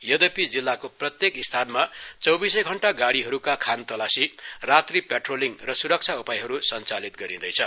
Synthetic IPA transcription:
jʌd̪ʌpid͡zilːakoprʌt̪jekist̪ʰanmat͡sʌwbisʌjɡʱʌɳʈaɡaɽiɦʌɾukakʰant̪ʌlasirat̪ripeʈroliŋrʌsuɾʌk̚t͡sʰaupajɦʌɾusʌnt͡salit̪ɡʌɾid̪ʌjt͡sʰʌ

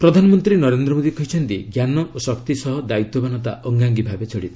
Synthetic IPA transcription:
pɾɔd̪ʱanɔmɔnt̪ɾinɔɾend̪ɾɔmod̪ikɔɦit͡ʃʰɔnt̪iɡjanɔʔosɔkt̪isɔɦɔd̪ait̪obanɔt̪a̰ʔɔŋɡaŋɡibʱabet͡ʃɔɽit̪ɔ̥

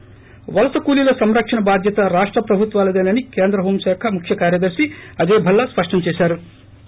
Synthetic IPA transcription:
ʋɐlɐsɐkuːlilɐsɐmɾɐkʂɐnɐbaːd̪ʱjɐt̪ɐɾaːʂʈɾɐpɾɐbʱut̪ʋaːlɐd̪ɐːnɐnikeːnd̪ɾɐɦoːmʃaːkʰɐmukʰjɐkaːɾjɐd̪ɐɾsiɐd͡ʒeːbʱɐlːɐspɐʂʈɐmt͡ʃɛːʃaːɾu

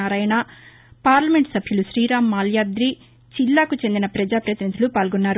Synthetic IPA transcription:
aːɾɐjɐna | paːɾlɐme̞ɳʈsɐbʱjuluʃɾiːɾaːmːaːljaːd̪ɾiː | t͡ʃilːaːkut͡ʃe̞nd̪inɐpɾɐd͡ʒaːpɾɐt̪inid̪ulupaːlɡɔnːaːɾu

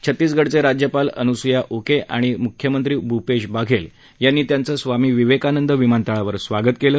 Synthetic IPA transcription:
t͡ɕʰət̪ːiːsɡʱəɽt͡seɾad͡ʑjəpalənusujaʔokeʔaɽ̃imukʰjəmənt̪ɾiːbʱupeɕbaɡʱel | janːiːt̪jant͡səːsʋamiːʋiʋekanənd̪əʋimant̪aɭaʋəɾsʋaɡət̪keləː

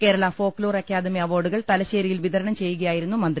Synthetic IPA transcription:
ke̞ːɾɐɭɐfo̞ːkloːrɐkʲːjaːðɐmeɐʋo̞ːɖuɣɐɭt̪ɐlɐɕeːɾijilʋiðɐɾɐɳɐmt͡ɕe̞jːuɣɐjaːjiɾunːumɐnd̪

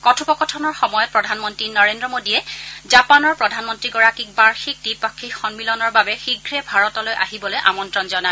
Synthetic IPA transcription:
kɔtʰupɔkɔtʰɔnɔɹxɔmɔjɔt̚pɹɔdʱanmɔntɹinɔɹendɹɔmodiɛzapanɔɹpɹɔdʱanmɔntɹiɡɔɹakik̚baɹxik̚dipɔkʰːixɔnmilɔnɔɹbabɛxiɡʱɹɛbʱaɹɔtɔlojʔa̰ɦibɔlojʔa̰mɔntɹɔnzɔna

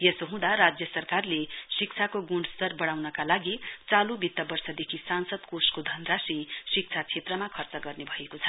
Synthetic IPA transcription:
jesoɦũd̪aɾad͡zjʌsʌrkarlesik̚t͡sʰakoɡuɳst̪ʌrbʌɽ̃awnʌkalaɡit͡salubit̪ːʌbʌrsʌd̪ekʰisansʌd̪koskod̪ʱʌnrasisik̚t͡sʰat͡sʰet̪rʌmakʰʌrt͡sʌɡʌrnebʱʌekot͡sʰʌ̥

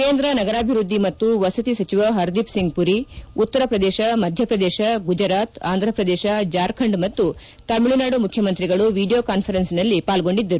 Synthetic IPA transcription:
ke̞ːnd̪ɾɐnɐɡɐɾaːbʱiɾud̪ʱːimɐt̪ːuʋɐsɐt̪isɐt͡ʃiʋɐɦɐɾd̪ipsiŋɡ̚puɾiut̪ːɐɾɐpɾɐd̪eːʃɐmɐd̪ʱjɐpɾɐd̪eːʃɐɡud͡ʒɐɾaːt̪aːnd̪ʱɾɐpɾɐd̪eːʃɐd͡ʒaːɾkʰɐɳɖmɐt̪ːu | t̪ɐmːiɭinaːɽumukʰjɐmɐnt̪ɾiɡɐɭuʋiːɖijoːkaːnpʰɐɾensinɐlːipaːlɡo̞ɳɖid̪ːɐɾu

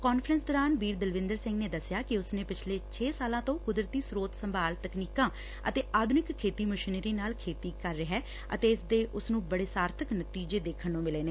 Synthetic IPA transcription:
kɔːnfʰɾənsd̪oːɾaːnbiːɾd̪əlʋɪ̃nd̪əɾsɪ̃ŋɡneːd̪əsjaːkɪʊsnẽːpɪt͡ʃʰleːt͡ʃʰeːsaːlãːt̪õːkʊd̪ɾət̪iːsɾoːt̪səmbaːlt̪əkniːkãː | ə̰t̪eːʔaːd̪ʱʊnɪkʰːeːt̪iːmʊʃneɾiːnaːlkʰeːt̪iːkəɾːɪɦɛː | ə̰t̪eːɪsd̪eːʔʊsnũːbəɽeːsaːɾt̪ʰəknət̪iːd͡ʒeːd̪eːkʰənːõːmɪleːneː

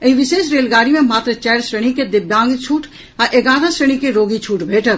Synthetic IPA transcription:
ɐiʋɪʃeːʃɾeːlɡaːɾimẽmaːt̪ɾət͡ʃɛːɾsɾəɽ̃iked̪ɪbjãːŋɡt͡ʃʰuːʈʰ | ɐʔeɡaːɾãsɾəɳ̃ikeɾoːɡit͡ʃʰuːʈbʱeːʈə

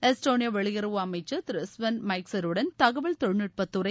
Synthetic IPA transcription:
ɛsʈoːnijɐʋɐɭɪjɐɾɯʋɯɐmɐɪt͡ʃːɐt̪ɪɾɪsʋɐnmɐɪksɐɾɯɽɐnt̪ɐɣɐʋɐɭt̪ɔɻnɪʈ̚pɐt̪ːɯɾɐ

